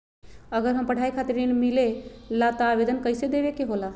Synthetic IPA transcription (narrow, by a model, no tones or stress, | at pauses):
əɡəɾɦəmpəɽ̤ʱaikʰat̪ɾinmilelat̪ɔabed̪ənkəjsed̪eʋekeɦola